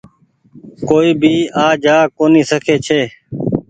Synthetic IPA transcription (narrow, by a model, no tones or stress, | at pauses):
koːiːbʱiːaːd͡ʒaːkoːniːsəkʰeːt͡ʃʰeː